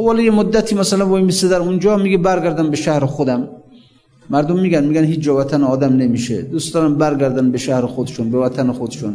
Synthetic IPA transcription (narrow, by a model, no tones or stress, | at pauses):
vɔljemod̪ːæt̪ʰiːmæsalanbɔimised̪æɾund͡ʒɒːmiɡibæɾɡæɾd̪ænbeʃæhɾexod̪æmː | æɾd̪omːiːɡænmiːɡænhiːt͡ʃd͡ʒɒvæt̪ʰaneɒːd̪æmnemiʃḛd̪ust̪ɒɾambæɾɡæɾd̪ænbeʃæhɾexod̪ʃunbevæt̪ʰanexod̪ʃun